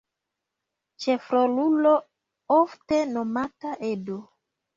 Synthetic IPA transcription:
t͡ʃefɾolulo | oftenomataʔedo

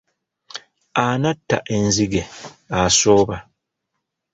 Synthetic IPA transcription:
anatːa̰ʔe̞nziɡeaso̞ːβa

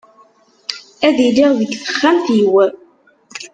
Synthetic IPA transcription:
æðiliʁjiɡθə̥χːæmθiwæ

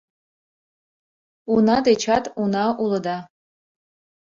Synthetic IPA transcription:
unɑd̪et͡ɕɑt̪unɑulˠɤ̆d̪ɑ

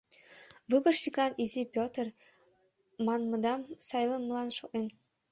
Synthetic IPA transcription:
βɨbə̆rʃiklɑnizipʲot̪ər | mɑnmɤ̆d̪ɑmsɑjləməlɑnʃoʔen

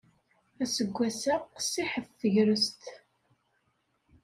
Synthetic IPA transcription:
æsəɡʷːæsæqːsiħəfθəʝɾəst̪

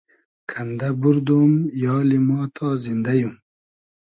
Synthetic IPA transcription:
kʰand̪abuɾd̪oːmjɑːlimɑːt̪ʰɑzind̪ajum

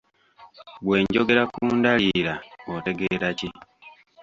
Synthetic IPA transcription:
βwe̞ːɲɟo̞ɡe̞ɾakuːndaliɾaote̞ɡe̞ɾaci

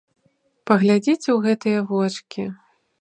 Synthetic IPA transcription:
pɐɣlʲad͡zʲit͡sʲuɣɛt̪ɨjɐvɔt͡ʂkʲi

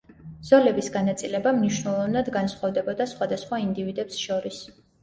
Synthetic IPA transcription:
z̥ɔlɛbisɡanat̪sʼilɛbamniʃnɛlˠɔvnad̪ɡansχɔvd̪ɛbɔd̪asχwad̪asχwaind̪ivid̪ɛpsʃɔɾis

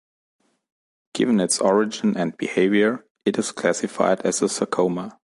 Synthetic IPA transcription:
ɡ̥ɪvə̃nɪtsɔɹɪd͡ʒɪ̃nɨ̃nd̚b̥ḭheɪvjə˞ | ɨtɨz̥kʰl̥æsɪfa̰ɪdɨzəsəkʰoʊmə

